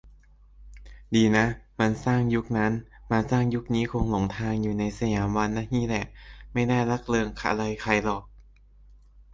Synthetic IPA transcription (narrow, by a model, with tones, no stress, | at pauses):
diː˧na˦˥ʔma˧nsaː˥˩ŋju˦˥k̚na˦˥n | maː˧saː˥˩ŋju˦˥k̚niː˦˥kʰo˧ŋlo˨˩˦ŋt̪ʰaː˧ŋjuː˨˩na˧jsa˧jaː˩˦mwa˧nːa˦˥˩hiː˥˩lɛ˨˩ʔma˥˩jnaː˥˩jla˦˥k̚lɤː˧ŋkʰa̰˧ʔla˧jkʰa˧jlɔː˨˩k̚